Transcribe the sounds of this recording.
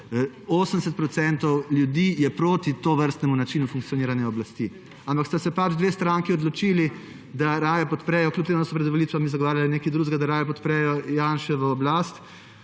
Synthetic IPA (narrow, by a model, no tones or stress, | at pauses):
oːsənd̪ɛs̬ɛt̪pɾɔt̪sɛnt̪ɔwljud̪iːjɛpɾoːt̪it̪oʋəɾst̪nɛmunat͡ʃinufuŋkt̪sijɔniːɾanjɛɔblast̪i | ampakst̪asɛpad͡ʒd̪ʋeːst̪ɾaːŋkiɔd̪lɔt͡ʃili | d̪aɾaːjapɔt̪pɾɛjɔklʲup̚t̪eːmud̪asɔpɾɛd̪ʋɔlit̪ʋamizaɡɔʋaːɾjalinekid̪ɾuːʒɡad̪aɾaːjapɔt̪pɾɛjɔjaːnʃɛʋəɔblast̪